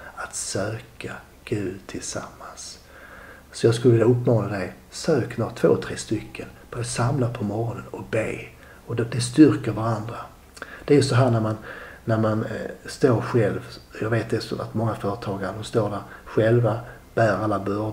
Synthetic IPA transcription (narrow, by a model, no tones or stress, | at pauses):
at̪søːkʰa | ɡ̥ʉ̟ːd̪t̪ʰɪlsa̰mːans | sɔjɑːɡskɵləvɪljaɵpːmɑːnad̪ɛj | søːknɔːt̪ʰv̥o̰ːt̪ʰɾeːst̪ʏkʰːənb̥oːd̪əsamlapʰɔmɔɾɔnənɔbeː | ɔd̪d̪ɛst̪ʏɾkəɾvaɾand̪ɾa | d̪̥ɛæɾjɵstsɔɦæːɳæɾmannæɾmanst̪oːɾɧɛlvjɑːɡveːt̪̚d̪ɛsɔ̰a̰t̪mɔŋːafœːɾət̪ʰɑːɡaɾəd̪ɔmst̪oːɖæɾɧɛlva | b̥æːɾalːabœɾ